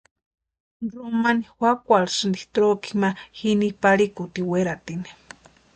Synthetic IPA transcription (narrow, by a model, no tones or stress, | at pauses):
romanixwakʷalsɨnd̪iht̪ɾoki̥mahinipaɾikut̪iweɾat̪ini̥